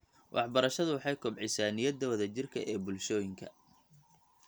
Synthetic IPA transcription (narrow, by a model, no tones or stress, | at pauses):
wʔɑ̰ħbɐɾɐʃɐðʊwɑħɑjkʰɔbʕɪsaːnɪjɐd̪ːɐwɐðɐt͡ʃɪrkʰɐ̰ʔɛːbʊlʃɔːjɪŋkʰɐ̰